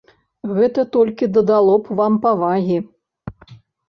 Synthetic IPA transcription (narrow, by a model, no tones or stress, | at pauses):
ɣɛt̪ɐt̪ɔlʲkʲid̪ɐd̪alˠɔpvampavaɣʲi